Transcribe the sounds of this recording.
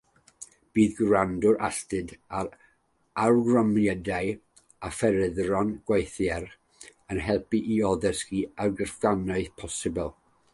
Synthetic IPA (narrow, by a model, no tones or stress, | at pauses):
b̥iːðɡrandʊɾʔa̰stɨdaɾ | arɡrɔmjɛdaɨ | afɛɾɪðrɔnɡ̥wajθjɛɾ | ənɦɛlˠpiʔiɔðɛskiarɡərfɡanaɨθpʰɔsɪbɛlˠ